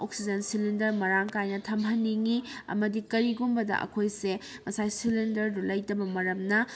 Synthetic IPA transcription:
oksid͡ʒɐnsilindɐɾmɐɾaŋkajnɐtʰɐmɦɐnːiŋiɐ̰mɐdikɐɾiɡumbɐdɐ̰ʔɐ̰kʰojsemɐsajsilindɐɾdulɐjtɐbɐmɐɾɐmnɐ

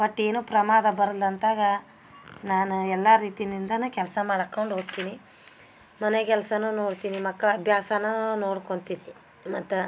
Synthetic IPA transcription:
bɐʈːe̞ːnuːpɾɐmaːd̪ɐbɐɾɐld̪ɐnt̪aːɡɐ | naːnuɛlːaɾiːt̪ijnind̪ɐnuːkɛlsɐmaːɽɐkːɐɳɖɦoːɡ̚t̪iːni | mɐnekɛlsɐnuːnoːɽt̪iːnimɐkːɐɭɐbʱjaːsɐnuːno̞ːɽkoɳt̪iːni | mɐt̪ːu

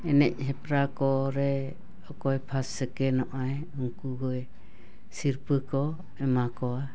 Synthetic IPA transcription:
ɛnɛc̚ɦɛpɾakɔɾɛ | ɔkɔjpʰasːɛkɛnɔʔaj | uŋkuɡɔɛ | siɾpəkɔ | ɛmakɔa

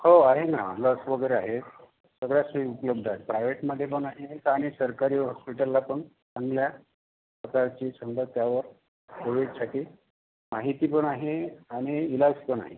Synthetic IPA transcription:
hoaɦemaa̰m̤a̰t̪laːsəʋəɡəjɾeaɦet̪ | səɡɭjasuiupələb̚d̪ʱat̪̚pɾajʋeʈməd̪ʱːjep̬əɳaɦekaɽ̃isəɾkaɾiːɦɔspiʈəlːapəɳ | t͡sãŋɡlja | pɾəkaɾt͡ɕiːsʰənd̪ət̪jaʋəɾ | soʋit̪saʈʰiː | maɦit̪iːpəɳaɦeaɽ̃iːlaɡspəɳa̰ɦḛ

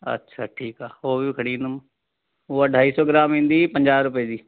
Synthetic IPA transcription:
ə̰tːʃʰaʈʰiːkaːoːbʱikʰəɽiːnəm | oəɖʱaːisɔːɡɪɾaːmɦɪ̃nd̪ipə̃ɲd͡ʒaːɾʊped͡ʒiː

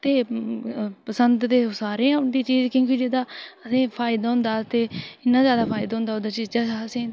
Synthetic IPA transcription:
t̪eː | pəsənd̪t̪eːsaːɾĩːd̪iːt͡ʃiːd͡ʒkjõːk̬iːd͡ʒeːd̪aːəsẽːpʰaːɪd̪aːɦʊ̃nd̪aːt̪eːɪnːãːzjaːd̪aːpʰaːɪd̪aːɦʊ̃nd̪aoːd̪aːt͡ʃiːzd͡ʒəəsẽː

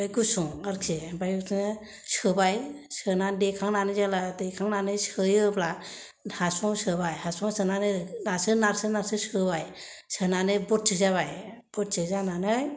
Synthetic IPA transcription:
bajɡusuŋaɾkʰebajɡusʰnɯ | sɯbaj | sɯnandekʰaŋnanɯzalatejkʰaŋnanɯjsɯjɯbla | hasɔŋsɯbajhasɔŋsʰɯnanɯnasɯnaɾsɯnaɾsɯsɯbaj | sɯnanɯbɔt̚t͡ʃʰɯzaβaj | bɔt̚t͡ʃɯzananɯj

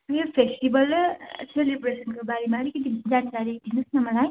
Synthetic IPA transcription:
meɾopʰesʈibʌlselebresʌnkobaɾimaɾikʌt̪id͡zankaɾid̪ʱinusnʌmʌlaj

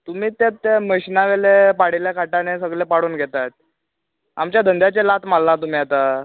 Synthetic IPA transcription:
t̪um̤iːt̪at̪ːeməɕnaʋelepaɽiljakʰaʈanesəɡɭepaɽuːnɡʱet̪at̪̚ | a̰mt͡ɕjad̪ʱənd̪jat͡ɕelat̪malnat̪um̤iːat̪a

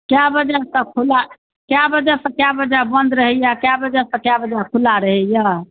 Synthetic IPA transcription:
kjabəd͡ʒasə̃kʰula | kjabəd͡ʒasə̃kjabəd͡ʒabənd̪ɾəɦɛjakjabəd͡ʒasə̃kjabəd͡ʒakʰulaɾəɦɛja

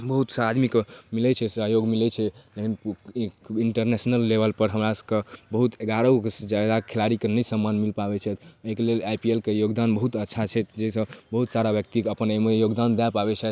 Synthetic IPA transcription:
bəɦut̪saad̪mikmilɛt͡ʃʰɛsəjoɡmilɛt͡ʃʰɛlene | iɳʈəɾnesnəlːebəlpəɾɦəmɾasəkebəɦut̪eɡaɾəksd͡ʒjad̪akʰelaɾikenəjsəmːanmilpabɛt͡ʃʰɛt̪ʰəkelelajpielkejoɡd̪anbəɦut̪ətːʃʰat͡ʃʰɛt̪d͡ʒesə̃bəɦut̪saɾabjək̚t̪ikəpənemejoɡd̪and̪ɛpabɛt͡ʃʰɛ

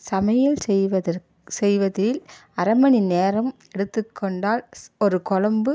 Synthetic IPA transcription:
sɐmɐjɪlɛʋɐðɐ | sɛjʋɐðɪlɐɾɐmɐɳɪneːɾɐm | ɛɽɯt̪ːɯkʰːɔɳɖaːlɔɾɯkɔɻɐmbɯ

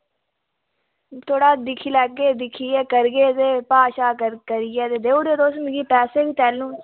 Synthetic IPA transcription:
t̪ʰoːɽaːd̪ɪkʰilɛːɡeːd̪ɪkʰːiːɛːkəɾɡeːt̪eːpaːʃaːkəɾkəɾijɛːt̪eːd̪eːuːd̪eːd̪oːsmɡiːpɛːseːkit̪ɛːlːũː

